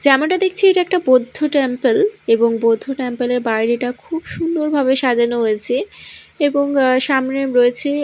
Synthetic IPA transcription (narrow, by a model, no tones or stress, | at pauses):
d͡ʑɛmoɳʈad̪ek̚ʰt͡ɕʰieʈaɛk̚ʈabod̪ʱːoʈempeleboŋbod̪ʱːoʈempeleɾbajɾiʈakʰubʃund̪oɾbʱaβeʃad͡ʑanoɦoet͡ɕʰeeboŋʃamnemɾoet͡ɕʰe